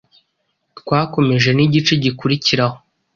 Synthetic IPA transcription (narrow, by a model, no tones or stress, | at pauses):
tkwaːko̞me̞ʒe̞niɟit͡ʃe̞ɟikuɾiciɾaho̞